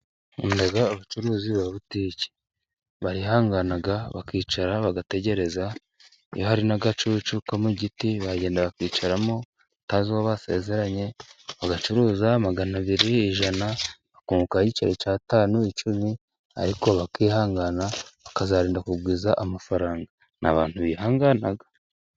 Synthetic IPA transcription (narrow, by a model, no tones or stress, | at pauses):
ṵndeɡaːβat͡ʃuɾuːziβaβutiːce̥ | βaɾihaːŋɡanaɡaβa̰kiːt͡ʃaɾaβaɡate̞ɟe̞ɾe̞za | ijohaɾinaɡat͡ʃut͡ʃukamuɟitiβaɟe̞ːndaβakiːt͡ʃaɾamo̞ | ataːziwaβase̞̰ze̞ɾaɲe̞βaɡat͡ʃuɾuːzamaɡanaβiɾiːʒanaβakuːukahit͡ʃaɾecaːtaːnuit͡ʃumi | a̰ɾiko̞βakiːhaːŋɡanaβakazaɾiːndakubɡiːzaʔamafaɾaːŋɡa | nʔa̰βa̰ːnhuβiːhaːŋɡanaɡa